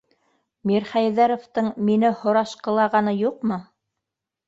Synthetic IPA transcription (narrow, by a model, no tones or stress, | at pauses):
miɾχæjðæɾŏft̪ɤɴminɘhŏɾɑʃqɤ̆lˠɑʁɑnɤjuq̚mɤ